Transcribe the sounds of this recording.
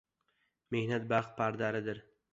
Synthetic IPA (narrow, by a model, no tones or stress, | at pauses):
me̞hnat̪̚baqpʰaɾd̪aɾɪd̪ɪɾ